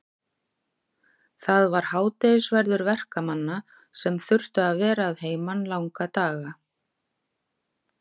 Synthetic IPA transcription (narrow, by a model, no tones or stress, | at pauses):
θaðvaɾ̥haːwt̪ejsvɛɾðʏɾvɛr̥kamanːa | sɛmθʏr̥t̪ʏaðvɛːɾaːðɦeːjmanlawŋkat̪aːɣa